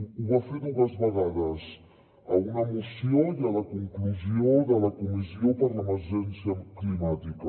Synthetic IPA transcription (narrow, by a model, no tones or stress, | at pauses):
uafenuɣɐzβɐɣaðɐz | ɐunɐmusijõalɐkõŋkluzjõðɐlɐkumiziopɐɾlɐmɐɾʒẽnsjɐklimat̪ikɐ